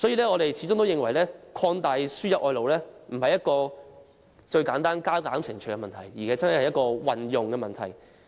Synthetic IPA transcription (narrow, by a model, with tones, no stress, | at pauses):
sɔː˨˥jiː˨lɛː˥ŋɔː˨˧ɾe˨jt͡sʰi˨˥ʊ˥ŋt̪o˥wjɪ˨ŋwɐ˨˩jlɛː˥kʰɔː˧nt̪aː˨jsyː˥jɐ˨˥t̚ʔɔː˧jlo˨wlɛː˥m̩˨˩hɐ˨jɐ˥t̚kɔː˧ | t͡ʃɵ˧ɥkaː˨˥nt̪aː˥nkaː˥kaː˨˥msɪ˨˩ŋt͡ʃʰɵ˨˩kɛ˧mɐ˨nt̪ʰɐ˨˩jjiː˨˩kɛ˨˧jt͡sɐ˥nhɐ˨˩jhɐ˨jɐ˥t̚kɔː˧wɐ˨njʊ˨ŋkɛː˧mɐ˨nt̪ʰɐ˨˩j